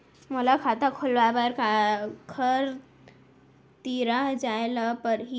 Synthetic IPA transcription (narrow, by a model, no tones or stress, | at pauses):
molakʰat̪akʰolʋabaɾkʰakʰəɾ | t̪iɾaɦd͡ʒajlapəɾɦi